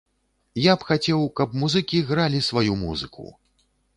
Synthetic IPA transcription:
japxat͡sʲɛwkɐp̚muzɨkʲiɣɾalʲisvajumṵzɨ̰kʰṵ

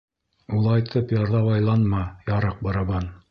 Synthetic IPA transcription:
ulˠɑjt̪ʰɤpjɑɾðɑβɑjlˠɑnmɑjɑɾɑq̚bɑɾɑβɑn

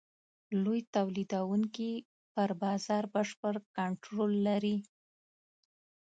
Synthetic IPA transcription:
lojt̪awlid̪awuŋki | pəɾbɑzɑɾbəʂpəɾkaɳʈɾolːaɾi

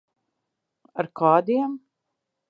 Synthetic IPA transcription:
aɾkʰɑːd̪iɛm

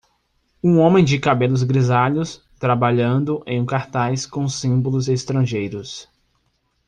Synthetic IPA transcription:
ũõmẽj̃d͡ʒɪkabelʊzɡɾizaʎʊs | t̪ɾabaʎɐ̃nd̪ʊʔẽj̃ũkaɾt̪ajskõsĩbolʊzest̪ɾɐ̃ʒejɾʊs

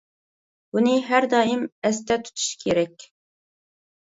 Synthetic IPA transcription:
uniɦæɾd̪ɑːjimɛst̪ɛt̪ʰu̥t̪ʰɨ̥ʃkʲʰeɾɛk̚ʲ

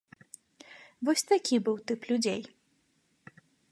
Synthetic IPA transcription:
vɔsʲt̪akʲibɨwt̪ɨplʲud͡zʲej

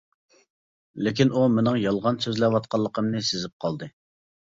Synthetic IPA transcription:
lɪkʲinumɪnɨŋjɑlˠʁɑnsøzlɛwɑt̪̚qʰɑlˠːəqʰəmnɨsɪzɪp̚qʰɑlˠd̪ɨ

